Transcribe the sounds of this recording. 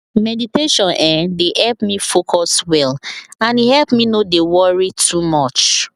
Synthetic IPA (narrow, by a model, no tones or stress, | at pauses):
mɛditeʃɔ̃nʔɛ̃dehɛlpmifokʰɔswɛlãnihɛlpminodewɔɹitʰumɔt͡ʃ